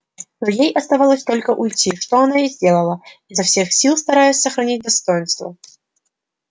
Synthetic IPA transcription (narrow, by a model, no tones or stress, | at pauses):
nojejʔɐst̪ɐvalˠəsʲt̪o̞lʲkəʔʊjtʲiʂt̪oɐnaizʲdʲelˠəlˠəizɐfsʲe̞xsʲilˠst̪ɐɾajʊsʲsəxɾɐnʲit̚ʲd̪ɐst̪ojɪnst̪və̰